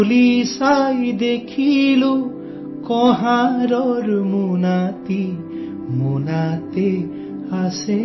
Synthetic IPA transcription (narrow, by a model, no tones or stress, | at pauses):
ulisajd̪ekʰilu | kɔɦãɾɔɾmunat̪i | munat̪e | ase